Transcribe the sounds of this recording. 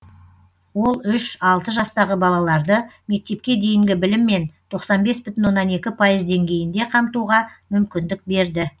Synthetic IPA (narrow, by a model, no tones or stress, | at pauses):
wo̞lˠʏʃɑlˠt̪əʒɑst̪ɑʁəbɑlˠɑlˠɑɾd̪əme̞k̚t̪e̞p̚kʲe̞d̪e̞jɪŋɡʲɪbɪlɪmːe̞nt̪ʰo̞qsɑnbe̞sbʏt̪ɪnwo̞nːɑne̞kʲɪpʰɑjəzd̪e̞ŋɡʲe̞jɪnd̪e̞qʰɑmt̪uʁɑmʏmkʲɪnd̪ɪk̚be̞ɾd̪ɪ